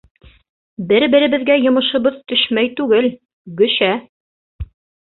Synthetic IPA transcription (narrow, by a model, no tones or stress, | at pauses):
bɘɾbɘ̆ɾɘ̆βɘ̆ðɡæjŏmɤ̆ʃŏβɤðt̪ɵʃmæjt̪ʉɡɘl | ɡɵ̆ʃæ